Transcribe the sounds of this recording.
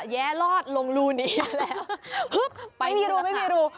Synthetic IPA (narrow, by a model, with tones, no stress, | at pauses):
jɛː˦˥lɔː˥˩t̪̚lo˧ŋluː˧˩niː˦˥˧lɛː˦˥whɯ˦˥k̚pa˧˩jmiː˧ɾuː˧ma˧˩jmiː˧ɾuː˧